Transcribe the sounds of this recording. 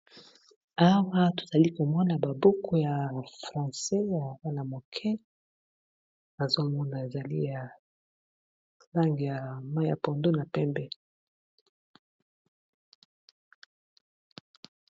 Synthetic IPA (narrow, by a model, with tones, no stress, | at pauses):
a˦wa˦to̥˨z̥a˨li˦ko˨mɔ˦na˨ba˨bo˦kʰo˨˦ja˨fʁɑ̃˨sɛ˦ja˨wa˦na˨mo˨kʰɛ˦ | a˨zo˦mɔ˦na˨e˨za˨lḭ˦ja˨ | la˦ŋɡi˨ja˨ma˦ja˨pɔ˨ndo˦na˨pɛ˦mbɛ˦